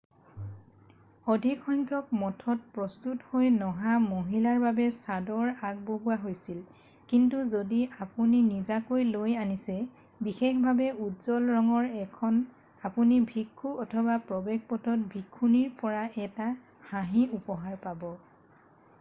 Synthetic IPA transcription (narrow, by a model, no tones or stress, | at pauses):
odʱikʰɔŋkʰjɔk̚mɔtʰɔt̚pɹɔstuthojnɔɦamoɦilaɹbabɛsadɔɹaɡ̚boɦuwaɦojsil | kintuzodiapuninizakojlojanisɛ | bixekbʱabɛutzɔlɹɔŋɔɹɛkʰɔn | apunibʱikʰːuɔtʰɔbapɹɔbeɡ̚pɔtʰɔt̚bʱikʰːuniɹpɔɹaʔɛta | haɦiupɔɦaɹpabɔ